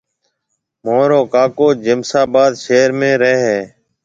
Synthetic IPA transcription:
moːɾoːkaːkoːd͡ʒɪmsaːbaːd̪ʃeːɾmẽːɾeɦeː

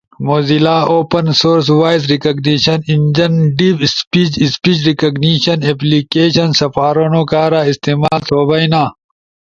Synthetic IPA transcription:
moːzilaːoːpɐnsoːɾs̬waːjzɾikɐɡniɕɐnind͡ʑɐnɖiːbspiːt͡ʃispiːt͡ʃɾikɐɡniɕɐneplikeːɕɐnsɐfaːɾonoːkaːɾaːist̪iːmaːlt̪ʰoːbɐinaː

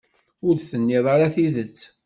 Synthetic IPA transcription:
ʊɾd̪θənːɪʁˤaɾaθiðət͡sː

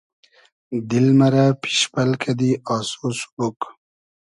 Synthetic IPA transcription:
d̪ilmɐɾapi̥ʃpɐlkʰad̪iɑːsoːsu̥buk

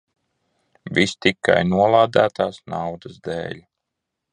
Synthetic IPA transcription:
vist̪ikːa̰jnuɔlˠaːd̪æːt̪aːsnawd̪azd̪ḛːlʲ

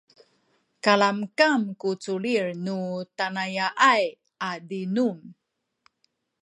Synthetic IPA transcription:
kalamkamkut͡sulirnutanajaʔaj | adinum

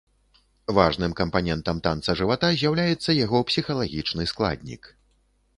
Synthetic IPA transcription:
vaʐnɨmkɐmpanʲɛnt̪ɐmt̪ant̪sɐʐɨvat̪azʲjawlʲajɛt̪sːɐjaɣɔpsʲixɐlˠaɣʲit͡ʂnɨsklˠa̰d̪ʲnʲḭk

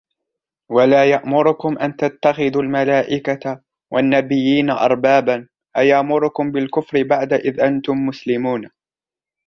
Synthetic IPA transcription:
walaːjaʔmʊɾʊkʊmʔant̪at̪ːaxɪðuːlmalaːʔɪka | wʔanːabɪjːiːnaʔɑ̰ɾˤbaːban | ʔajaʔmʊɾʊkʊmbɪlkʊfɾɪbaʕd̪aʔɪðʔant̪ʊmːʊslɪmuːn

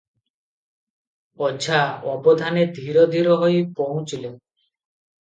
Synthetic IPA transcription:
ɔd͡ʒʱaɔbɔd̪ʱaned̪ʱiɾɔd̪ʱiɾɔɦɔjpɔw̃ũt͡ʃile

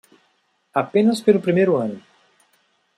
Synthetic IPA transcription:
apẽnɐspelʊpɾimejɾʊɐ̃nʊ

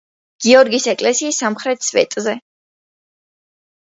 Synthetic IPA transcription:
ɡ̥iɔɾɡisɛkʼlɛsiːsːamχɾɛt̪ʰsvɛ̰t̪ʼzɛ

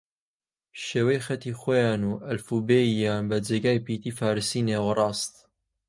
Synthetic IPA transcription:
ʃeːwɛjxɐt̪iːxojɑːnuːʔɐlfubeijaːnbɐd͡ʒeːɡaːjpiːt̪iːfaːɾɨsiːneːwrˤɑːst̪

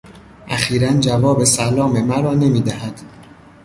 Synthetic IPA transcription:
ʔæ̰χiːɾænd͡ʒævɒːbe̞sælɒːme̞mæɾɒːne̞miːd̪æhæd̪̥

